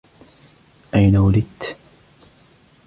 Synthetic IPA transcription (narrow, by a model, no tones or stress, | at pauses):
ʔajnawalɪd̪t̪